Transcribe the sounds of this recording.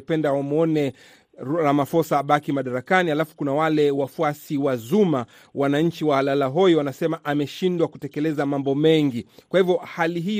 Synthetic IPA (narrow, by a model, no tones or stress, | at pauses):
pɛndawamuɔnɛ | ɾamafɔsaːɓakimaɗaɾakanihalafu̥kunawalɛwafuasiwazuma | wanaɲ̩t͡ʃiwaalalaɦɔjɔwanasɛmaʔamɛʃindwakutɛkɛlɛzamambɔmɛŋɡikwahivjɔhaliɦi